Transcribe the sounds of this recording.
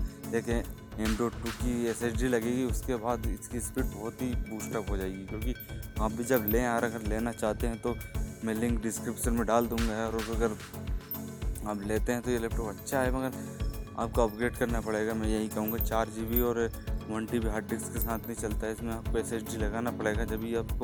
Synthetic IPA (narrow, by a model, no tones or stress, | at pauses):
d̪eːkẽ | ɛ̃ːɳɖoːʈuːkieseːt͡ʃɖilɐɡeːɡiʊskebaːd̪ɪskispiːʈ̚bɔːt̪ɦibuːʃʈəpɦod͡ʒaːeɡikjõːkiaːp̚bʱid͡ʒɐbleːɾɐɡəɾleːnat͡ʃaːɦt̪eɦɛ̃t̪omɛ̃lɪ̃ŋkɖɪskɾɪpʃənmẽɖaːld̪ũːŋɡaɦɛɔːɾʊsɐɡəɾ | aːpleːt̪eɦɛ̃t̪ojelɛp̚ʈoːpɐtːʃʰaɦɛmɐɡəɾa̰ːp̚koɐpɡɾeːʈkɐɾnapɐɽeːɡamɛ̃jɐɦikɐɦũːŋɡat͡ʃaːɾd͡ʒibʱiɔːɾ | mə̃ɳʈibʱiɦaːɖɪkskesaːt̪ʰnɐɦĩt͡ʃɐlt̪aɦɛɪsmẽaːp̚koeseːt͡ʃɖilɐɡaːnapɐɽeːɡad͡ʒɐbʱiaːp̚ko